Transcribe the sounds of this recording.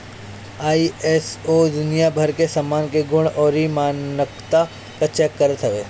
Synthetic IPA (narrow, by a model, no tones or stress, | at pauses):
aːieːsod̪ʊnijabʱɐɾkesɐmːaːnkeɡʊɽ̃ɔːɾimaːnəkt̪a | kət͡ʃɛkːəɾət̪ɦɐʋeː